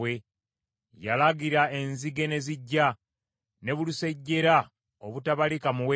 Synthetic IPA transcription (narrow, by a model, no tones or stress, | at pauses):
we̞ | jalaɡiɾae̞nziɡe̞ne̞ziɟːa | ne̞βuluse̞ɟːe̞ɾa | oβutaβalikamuwe